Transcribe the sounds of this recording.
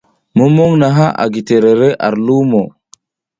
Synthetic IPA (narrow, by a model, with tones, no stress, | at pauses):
mo˦mo˦ŋna˨ɦa˦ʔa̰˨ɡi˨te˨ɾe˨ɾe˦ʔa̰˨ɾlu˦mo˨